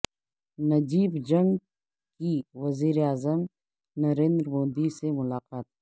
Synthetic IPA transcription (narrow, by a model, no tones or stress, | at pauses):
nɐd͡ʒiːbd͡ʒə̃ŋɡ | kiʋɐziːɾeaːzəm | nɐɾẽːnd̪ɾmoːd̪isemʊlaːqaːt̪̚